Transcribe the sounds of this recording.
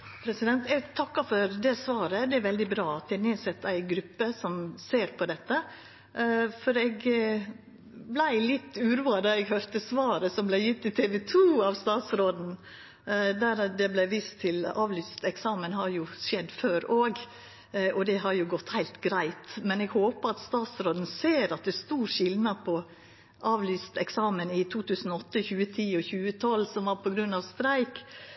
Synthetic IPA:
pʰɾɛsɪd̪ɛnt̪ɛɡt̪ʰɑkːɑfɔɾd̪ɛsʋɑːɾəd̪ɛæɾʋɛld̪ɪbɾɑːɑt̪ɛnɛsɛt̪ːæɪɡɾʉpːəsɔmseːɾpʰɔd̪ɛt̪ːə | fɔɾɛɡ | blæɪlɪt̪ːʉːɾuːɑd̪ɑɛɡɦøɾt̪əsʋɑːɾəsɔmblæɪjɪt̪ːɪt̪ʰɛːʋɛt̪ʰuːɑʋst̪ɑːt̪sɾoːd̪n̩ | d̪æɾd̪ɛblæʋiːst̪ʰːɪlɑ̰ːʋlyːst̪ɛksɑːmənhɑɾjʊʃɛd̪ːføːɾoːɡ | ʔɔd̪ɛɦɑɾjʊɡɔt̪ːhæɪlt̪ɡɾæɪt̪mɛnɛɡhoːpəɾɑt̪st̪ɑːt̪sɾoːd̪n̩seːɾɑt̪̚d̪ɛst̪uːɾʂɪlnɑpʰɔ | ʔɑːʋlyːst̪ɛksɑːmənɪt̪ʰuːt̪ʉːsn̩ɔɔt̪ːəçʉːət̪ʰiːɔçʉːət̪ʰɔlːsɔmʋɑɾpʰɔɡɾʉnːɑʋst̪ɾæɪk

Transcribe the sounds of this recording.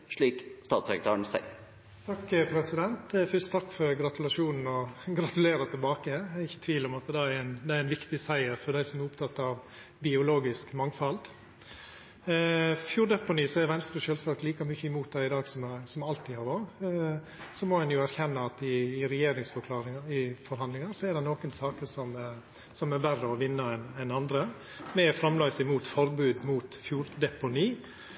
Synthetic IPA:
ʂɭiːkst̪ɑːt̪sɛkɾət̪ɑːɳsæ̰ɪ | t̪ʰɑkːpʰɾɛsɪd̪ɛnt̪fʏst̪t̪ʰɑkːfɔɾɡɾɑt̪ʉlɑʂuːnn̩ɔɡɾɑt̪ʉleːɾɑt̪ʰɪlbɑːkəæɪçːə̥t̪ʰʋiːlɔmɑt̪̚ɛd̪ɛæɪnd̪ɛæɾæɪnʋɪkt̪ɪsæɪəɾfɔɖæɪsɔmæɾʊpt̪ʰɑt̪ːɑʋ | bɪʊloːɡɪskmɑŋfɑld̪ | fjuːɾd̪ɛpʊniːsɔɛʋɛnst̪ɾəʃøːlsɑːkt̪liːkɑmyçəɪmuːt̪̚d̪æɪɪd̪ɑːɡsɔmsɔmɑlt̪ɪhɑɾoː | sɔmɔhɛnjʊæɾçɛnːɑɑt̪ɪːɾɛjeːɾɪŋsfɔɾkʰlɑːɾɪŋɪfɔɾɦɑnd̪lɪŋɑsɔɛd̪ɛnoːkənsɑːkəsɔm | sɔmɛɾbærːəɔʋɪnːəɛnɛnɑnd̪ɾə | mɛfɾɑmlœːsɪmuːt̪fɔɾbʉːd̪muːt̪fjuːɾd̪ɛpʊniː

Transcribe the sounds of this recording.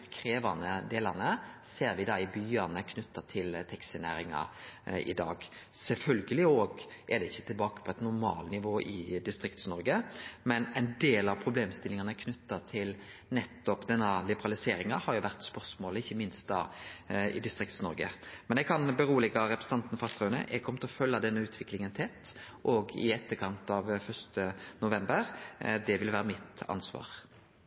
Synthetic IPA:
skʰɾeːʋɑnəd̪eːlɑʁnəseːɾʋɪd̪ɑɪbyːɑnəkʰnʉt̪ːɑt̪ʰɪlt̪ʰɛksənæ̰ːɾɪŋɑ̰ɪ̰d̪ɑ̰ːɡsɛlfœlɡəlɪoːɡʔæd̪ɛɪçːət̪ʰɪlbɑːkə̥pʰɔɛt̪nʊɾmɑːlnɪʋoːʔɪd̪ɪst̪ʁɪkt̪snɔɾɡəmɛnɛnd̪eːlɑʋpʰʁʊbleːmst̪ɪlɪŋɑnəkʰnʉt̪ːɑt̪ʰɪl | nɛt̪ːɔpd̪ɛnːəlɪbəʁɑlɪseːɾɪŋɑhɑɾjʊʋæʁt̪spœʁsmoːləɪçːəmɪnst̪̚d̪ɑ̰ːɪ̰d̪ɪst̪ɾɪkt̪snɔɾɡə̰mɛnɛɡ̚kʰɑnbəɾuːəlɪkɑɾɛpɾɛsn̩t̪ɑnt̪nfɑlt̪ʁœːnə̰ʔɛɡ̚kʰɔmət̪ʰɛɔfœlːɑd̪ɛnːəʉːt̪ʰʋɪklɪŋənt̪ʰɛt̪ːʔɔɡɪ̰ɛt̪ːəkʰɑnt̪ɑʋfœʁst̪ənʊʋɛmbəɾd̪ɛʋɪlʋæːɾəmɪt̪ɑ̰nsʋɑ̰ːʁ

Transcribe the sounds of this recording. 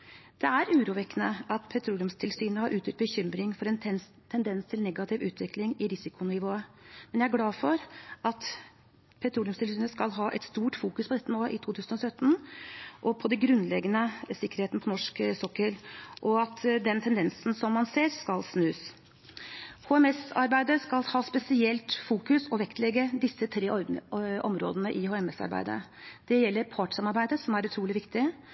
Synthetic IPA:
d̪̥ɛæɾʉːɾuːʋɛkːənəɑt̪pʰɛt̪ʰɾuːlɪʊmst̪ʰɪlsyːnəhɑɾʔʉːt̪ʰʏt̪bəçʏmɾɪŋfɔɾɛnʰ | t̪ʰɛnd̪ɛnst̪ʰɪlnɛɡɑt̪ʰɪʋʉːt̪ʰʋɪklɪŋɪɾɪsɪkʊnɪʋoːəmɛnjææɡlɑːfɔɾʔɑt̪ | pʰɛt̪ʰɾuːlɪʉmst̪ʰɪlsyːnəskɑlɦɑːʔɛ̰t̪st̪uːʈfuːkʉspʰɔd̪ɛt̪ːənoːʔɪt̪ʰuːt̪ʰʉːsən̩ɔsœt̪ːnʔɔpʰɔd̪ɛɡɾʉnlɛɡənəsɪkːəɾheːt̪nəpʰɔnɔʂksɔkːəɾʔɔɑt̪d̪ɛnt̪ʰɛnd̪ɛnsn̩sɔmːɑnseːɾskɑlsnʉːs | hoːɛmɛsɑ̰ɾbæɪd̪əskɑlhɑːspɛsɪɛlt̪fuːkʉsɔʋɛkt̪lɛɡəd̪ɪsːət̪ʰɾeːʔɔ̰mɾo̰ːd̪ənəʔɪhoːɛmɛsɑ̰ɾbæ̰ɪd̪ə̰ | d̪̥ɛjɛlːəɾpʰɑːʈɪ̥sɑmɑɾbæɪd̪əsɔmæɾʉt̪ʰɾuːlɪʋɪkt̪ɪ

